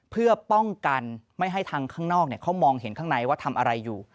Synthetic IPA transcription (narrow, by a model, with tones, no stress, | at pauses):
pʰɯ˥˩ɐpɔ˥˩ŋka˧nma˥˩jɦa˥˩jt̪ʰaː˧ŋkʰaː˥˩ŋnɔː˥˩k̚ni˥˩kʰa˦˥wmɔː˧ŋɦe˩˦nkʰaː˥˩ŋna˧jwaː˥˩t̪ʰa˧mʔa˧ɾa˧jːuː˨˩